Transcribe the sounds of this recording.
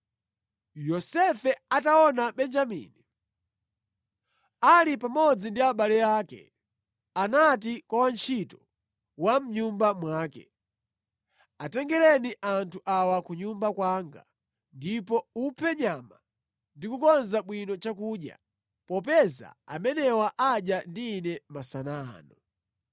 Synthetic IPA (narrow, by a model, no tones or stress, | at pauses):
jɔsɛfɛataɔnaɓɛnd͡ʒamḭni | alipamɔd͡zindiaɓalɛjaːkɛ̰ | anat̬ikwawant͡ʃʰitɔ | wam̩ɲumbamwaːkɛ̰ | atɛŋɡɛlɛniʔantʰuʔawakuɲumbakwaŋɡa̰ | ndipɔupʰɛɲama | ndikukɔnzaɓwinɔt͡ʃakuɗja̰ | pɔpɛza̰a̰mɛnɛwaʔaɗjandiːnɛmasanaːnɔ